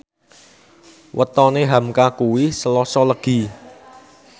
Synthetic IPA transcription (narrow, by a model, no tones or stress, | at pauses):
wət̪ɔneɦamkakuwisəlɔsɔləɡ̥i̤